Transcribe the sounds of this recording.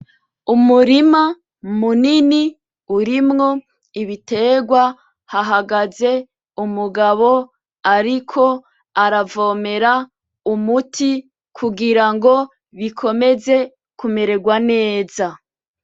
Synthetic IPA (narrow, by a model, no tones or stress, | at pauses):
umuɾima | munini | uɾimŋo̞ | iβite̞ːɡwa | haɦaɡaze̞ | umuɡaβo̞ | aɾikʰo̞ | aɾavome̞ɾa | umutʰi | kʰuɡiɾaŋɡo̞ | βikʰo̞me̞ze̞ | kume̞ɾe̞ɡwane̞ːza